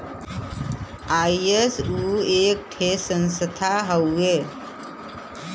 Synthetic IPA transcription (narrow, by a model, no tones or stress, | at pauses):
aiesuːek̚ʈʰesənsət̪ʰaɦəwe